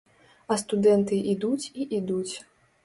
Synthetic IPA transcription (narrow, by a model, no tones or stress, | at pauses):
ɐst̪ud̪ɛnt̪ɨʔid̪ut͡sʲiʔid̪ut͡sʲ